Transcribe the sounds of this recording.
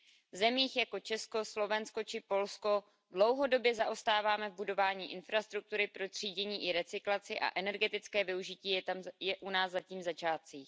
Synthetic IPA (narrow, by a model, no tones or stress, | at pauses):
vzɛmiːxjako̞t͡ʃɛsko̞slo̞vɛnsko̞t͡ʃɪpo̞lsko̞ | dlo̞wɦo̞do̞bjɛzaʔo̞st̪aːvaːmɛvbudo̞vaːɲiːʔɪnfɾast̪ɾuk̚t̪uɾɪpɾo̞t̪r̝̥iːɟɛɲiːʔɪɾɛt͡sɪklat͡sɪʔa̰ʔɛnɛɾɡɛt̪ɪt͡skɛːvɪuʒɪciːjɛamjɛʔunaːzzaciːmzat͡ʃaːt̪̚t͡siːx